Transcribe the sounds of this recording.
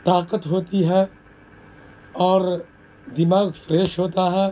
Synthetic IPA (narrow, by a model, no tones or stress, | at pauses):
t̪aːqət̪ɦoːt̪iɦɛː | ɔːɾ | d̪ɪmaːɣfɾeːʃɦoːt̪aɦɛː